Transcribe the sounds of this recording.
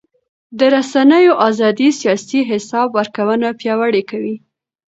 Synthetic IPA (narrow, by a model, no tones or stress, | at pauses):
d̪əɾasanəjoʔazɑd̪isjɑsiɦɪsɑbwaɾkawənapjɑwaɽekawi